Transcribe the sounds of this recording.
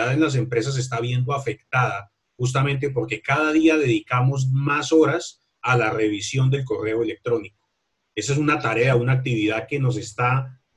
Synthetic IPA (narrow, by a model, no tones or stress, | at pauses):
aðenlas̬e̞mpɾe̞s̬as̬e̞s̬t̪aβje̞nd̪oafe̞kt̪aða | xus̬t̪amẽ̞nt̪e̞po̞ɾke̞kaðað̞iaðe̞ðikamo̞z̬maso̞ɾas | alare̞βisjo̞nd̪e̞lko̞re̞oe̞lek̚t̪ɾo̞niko | e̞saes̬unat̪aɾe̞aunaːk̚t̪iβiðaðke̞no̞s̬e̞st̪a